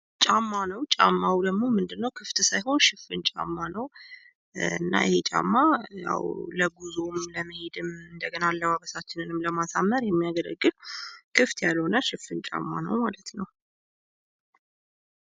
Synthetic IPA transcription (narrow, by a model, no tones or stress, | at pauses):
t͡ʃʼamːanəwt͡ʃʼa̰mːawd̪əɡmo̞mɨnd̪ɨnːəwkʰɨft̪sajho̞nʃɪfːɨnt͡ʃʼa̰mːanəw | ɨ̰nːa̰ɪhet͡ʃʼa̰mːaja̰wləɡuzomləməhe̞d̪ɨmɨnd̪əɡənalːəβaβəsat͡ʃːɪnɨnɨmləmasamːəɾjɛmːijaɡələ̰ɡːɨlkʰɨft̪jalːəwɨnːaʃɨfːɨnt͡ʃʼa̰mːanə̰wmalət̪nəw